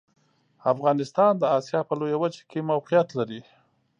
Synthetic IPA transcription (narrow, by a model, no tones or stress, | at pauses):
afɣɑnɪst̪ɑnd̪əɑsijɑpəlojawəd͡ʒḁkemawqijat̪laɾi